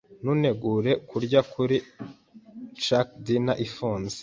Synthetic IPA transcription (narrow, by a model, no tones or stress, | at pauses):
nune̞ɡuɾe̞kʰuɾɟakʰuɾi | t͡ʃakdinaʔifoːnzi̥